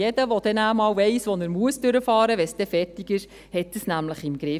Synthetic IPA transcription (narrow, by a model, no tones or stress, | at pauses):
jɛdəʋɔd̪̥ɛnæːmɑːwʋɛɪsʋɔnəɾmuəsd̥ʏɾəfɑːɾəʋɛsd̥ɛfɛɾtiɡɪʃ | hɛt̚ːəsnæmləχɪmɡ̥ɾɪ